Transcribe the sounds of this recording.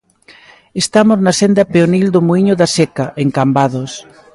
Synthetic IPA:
est̪amoznasend̪ɐpeonild̪ʊmuiɲʊðasekaʔeŋkambaðos

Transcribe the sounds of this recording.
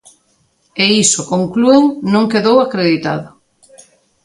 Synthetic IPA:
eisokoŋklueŋnõŋkeðowakɾeðit̪a̰ðʊ

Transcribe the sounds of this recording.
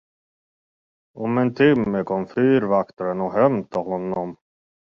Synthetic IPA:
ɔmɛnt̪ʰɪmːəkʰɔmfyːɾvakt̪ɾənɔɦɛmt̪ʰɪlhɔnːɔm

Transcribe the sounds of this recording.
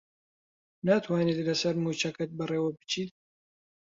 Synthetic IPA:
naːt̪ʰwaːniːt̪lɐsɐɾmuːt͡ʃɐkɐt̪̚bɐreːwɐbɨ̥t͡ʃʰiːt̪̚

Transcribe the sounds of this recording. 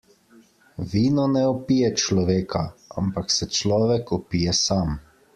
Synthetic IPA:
ʋiːnɔnɛɔpijɛt͡ʃlɔʋeːkʰaa̰mpaksɛt͡ʃlɔːʋɛkɔpiːjɛsaːm

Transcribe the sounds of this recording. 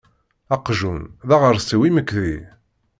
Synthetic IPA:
ɑqʒunðæʁəɾsiwiməkːði

